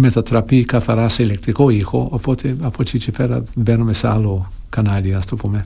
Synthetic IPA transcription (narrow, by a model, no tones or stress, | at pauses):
met̪at̪ɾapikaθaɾaselɛk̚t̪ɾikoixoapot̪ʰeapot͡ʃit͡ʃipɛɾa̰benomesalo | kanaliast̪upome